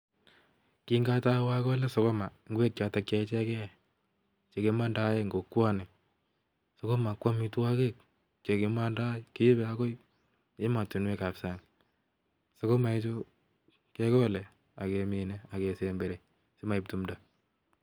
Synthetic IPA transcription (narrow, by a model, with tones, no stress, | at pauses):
ki˦ŋɡa˦ta˦wa˦kɔ˦le˦so˦kɔ˦ma˨ŋɡe˦k̚t͡ʃa˨tak̚t͡ʃe˧˦t͡ʃɛ˦kɛ˦ | t͡ʃe˨ke˧ma˦nda˦je˦ŋɡo˨kwa˦ne˨ | so˨ko˦ma˨kwa˦mi˦tu˦wa˦ke˦k̚ | t͡ʃe˨ke˦ma˦nda˦ki˦bɛ˦a˦ko˦i˦ | e˦ma˨tu˨nwe˦ka˨psa˨n | so˨ko˦ma˨e˦t͡ʃo˦ | ke˦kɔ˦lɛ˨ | a˨ke˧mi˨ne˦a˨ke˨se˨mbe˨ɾe˨ | se˦ma˨i˨p̚tu˦mda˦